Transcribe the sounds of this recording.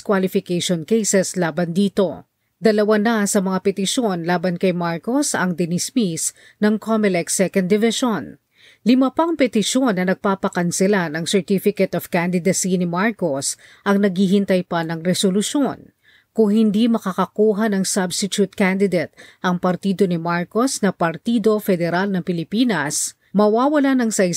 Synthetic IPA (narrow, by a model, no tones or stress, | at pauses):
kwalɪfɪkejʃonkejsɛslaːbɐnd̪iːt̪o̞ | d̪ɐlɐwanɐsɐmɐŋapɛt̪ɪʃjo̞nlaːbɐnkɐjmaɹko̞sɐŋd̪ɪnɪsmis | nɐŋkʰomɛlɛk̚sɛkɐ̃nd̪ɪvɪʃon | lɪmapɐŋpɛt̪ɪʃjo̞nːɐnɐɡ̚paːpɐkɐnsɪlanɐŋsɛɹt̪ifɪkɛt̪ɐv̥kand̪ɪd̪ɐsinɪmaɹko̞s | ʔɐŋnɐɡhiɦɪnt̪ɐjpɐnɐŋɾɛsolʊʃon | kʊŋhɪnd̪imɐkɐkɐkuːɦɐnɐŋsabsɪt̪ut̪̚kand̪ɪd̪et̪̚ʔɐŋpɐɾt̪iːd̪o̞nɪmaɹko̞snɐpɐɾt̪iːd̪o̞fɛd̪ɛɾalnɐŋpɪlɪpiːnɐs | mɐwaːwɐlanɐŋsɐɪ